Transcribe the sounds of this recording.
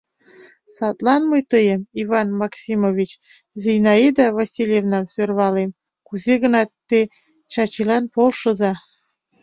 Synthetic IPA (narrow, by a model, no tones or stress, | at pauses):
sɑt̪lɑnməjt̪əjəmivɑnmɑksʲimovʲit͡ɕ | zijnɑed̪ɑvɑsʲilʲjevnɑmsørβɑlem | kuzeɣə̆nɑt̪ːe | t͡ɕɑt͡ɕilɑnpolʃɤ̆zɑ